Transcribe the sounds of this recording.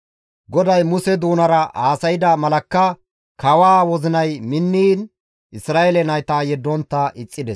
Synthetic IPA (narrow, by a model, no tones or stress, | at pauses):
ɡɔd̪ɐjmʊsɛd̪uːnɐɾɐaːsɐjɪd̪ɐmɐlɐkːɐ | kɐwaːwɔzɪnɐjmɪnːiːn | ʔɪsɾaːɛlɛnɐjt̪aːjɛd̪ːɔnt̪ːɐʔɪt͡sʼːɪd̪ɛs